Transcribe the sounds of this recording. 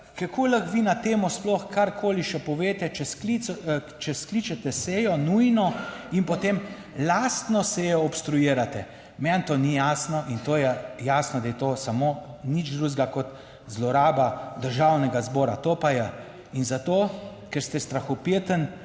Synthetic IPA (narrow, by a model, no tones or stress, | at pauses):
kakʰoləxʋinat̪eːmɔsplɔxkʰaɾkʰoːliʃɛpɔʋeːt̪ɛt͡ʃɛski | t͡ʃɛsklit͡ʃɛt̪ɛseːjɔnujnɔinpɔt̪eːm | laːst̪nɔseːjɔɔpst̪ɾujiːɾat̪ɛ | mɛnt̪oːnijaːsnɔʔint̪oːjɛjaːsnɔd̪ajɛt̪oːsamonid͡ʒd̪ɾuːzɡakɔt̪ | zlɔɾaːbad̪əɾʒawnɛɡazbɔːɾat̪opajɛ | inzat̪o | kɛɾst̪ɛst̪ɾaxɔpet̪ən